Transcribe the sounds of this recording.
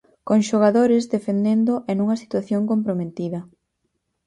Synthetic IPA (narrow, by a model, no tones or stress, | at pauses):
koŋʃoɣ̞aðoɾɪzd̪efend̪end̪oʔenuŋɐsi̥t̪waθjoŋkompɾomet̪iðɐ